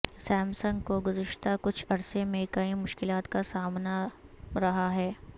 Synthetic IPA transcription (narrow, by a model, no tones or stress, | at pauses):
sɛːmsə̃ŋɡ̚koɡʊzɪʃt̪akʊt͡ʃʰɐɾsemẽkɐimʊʃkɪlaːt̪kasaːmnaɾɐɦaɦɛː